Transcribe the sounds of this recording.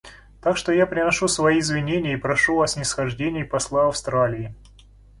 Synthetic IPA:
t̪akʂt̪ojapɾʲɪnɐʂusvɐjiːzvʲɪnʲenʲɪjəipɾɐʂuvasnʲɪsxɐʐdʲenʲɪjpɐslˠaɐfst̪ɾalʲɪɪ

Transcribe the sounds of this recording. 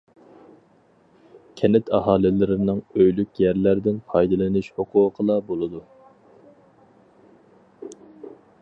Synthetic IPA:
kʲʰɛnɪt̪ʰɑɦɑːlˠɪlɪɾɪnɨŋøjlykʲjæɾlæɾd̪ɪnpʰɑjd̪ɨlˠɨnɨʃhoqʰʊqʰəlˠɑbolˠɨd̪u

